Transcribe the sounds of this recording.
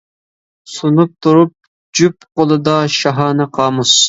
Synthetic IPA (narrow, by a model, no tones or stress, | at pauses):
sunup̚t̪ʰuɾup̚ | d͡ʒyp̚qolˠɨd̪ɑʃɑɦɑːnɨqʰɑːmus